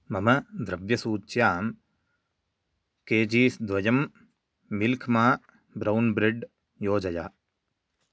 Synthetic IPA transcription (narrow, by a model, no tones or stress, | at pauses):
mɐmɐd̪ɾɐʋjɐsuːt͡ʃjaːm | keːd͡ʒiːsd̪ʋɐjɐmː | ilkʰmaː | bɾɐwnbɾɪɖ | joːd͡ʒɐjaː